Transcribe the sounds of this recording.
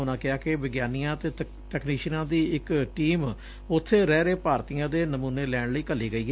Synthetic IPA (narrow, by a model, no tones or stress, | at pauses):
ʊnãːkɪaːkɪʋɪɡjaːnijãːt̪eː | ʈɛkniːʃənãːd̪iːɪkʈiːm | ʊt̪ʰːeːɾɛːɾeːpaːɾt̪ijãːd̪eːnəmuːneːlɛːɳləiːkəlːiːɡəiːɡ